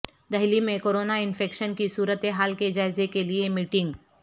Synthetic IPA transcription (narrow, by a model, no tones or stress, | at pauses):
d̪ɐɦlimẽkoːɾoːnaɪnfʰeːkʃənkisuːɾət̪eɦaːlked͡ʒaːɪzekeliemiːʈɪ̃ŋɡ